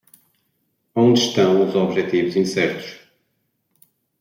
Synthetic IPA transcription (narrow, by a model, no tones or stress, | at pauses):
õnd̪ɨʃt̪ɐ̃w̃uzɔβʒɛt̪ivuzĩsɛɾt̪u̥ʃ